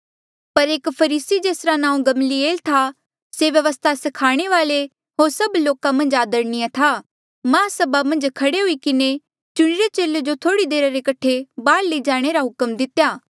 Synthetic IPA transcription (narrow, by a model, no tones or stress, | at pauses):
pɐɾeːkpʰɐɾiːsid͡ʒeːsɾanãːũɡɐmlieːlt̪ʰa | seʋjɐʋəst̪ʰasɐkʰaːɽ̃eʋaːle | ɦoːɾsɐbloːkamɐ̃nd͡ʒaːd̪əɾnijãt̪ʰa | mãːsɐbamɐ̃nd͡ʒkʰɐɽeɦuikɪne | t͡ʃʊɽ̃ɪɾet͡ʃeːled͡ʒot̪ʰoːɽid̪eːɾaɾekɐʈʰebaːɽleid͡ʒaːɽ̃eɾaɦʊkəmd̪ɪt̪jaː